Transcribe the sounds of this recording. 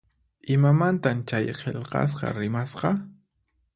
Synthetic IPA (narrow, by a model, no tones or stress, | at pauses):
ɪmamant̪amt͡ʃajqʰeʎqɑ̰s̬qɑ̰ɾɪmasqɑ